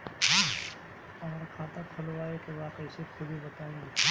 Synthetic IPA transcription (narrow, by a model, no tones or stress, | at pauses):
ɦã | ɔːɾkʰaːt̪ap̪ʰɐlʋaːekeʋaːkəɪsekʰʊbʱibɐt̪aːẽt̪ʰa